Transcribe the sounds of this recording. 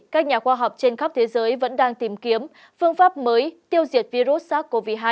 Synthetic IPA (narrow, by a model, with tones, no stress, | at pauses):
kaː˦˥k̚ɲaː˨˩xwaː˧ɦa˨˩wk͡p̚t͡ɕe˧nxa˦˥w̚k͡p̚t̪ʰe˨˦zəː˨˦jvə̰˧˥nɗaː˧ŋt̪i˨˩mki˨˦əm | fɨ˧əŋfaː˦˥p̚məː˨˦jt̪i˧əwzi˨˩ət̚vi˧zu˦˥t̚saː˦˥k̚kːo˧vi˦˧˩ɦaː˧˩